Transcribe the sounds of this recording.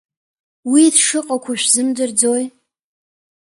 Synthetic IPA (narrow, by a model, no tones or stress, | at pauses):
widʂɨqʼakʷʰaʃʷᶣzɨmdɨrd͡zoj